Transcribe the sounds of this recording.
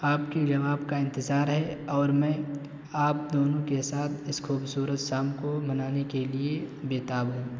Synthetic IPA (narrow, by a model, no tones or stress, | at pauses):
aːpked͡ʒɐʋaːbkaɪ̃nt̪ɪzaːɾɦɛɔːɾmɛ̃ | aːp̚d̪oːnõkesaːt̪ʰɪskʰuːbsuːɾət̪ʃaːmkomɐnaːnekeliebeːt̪abũː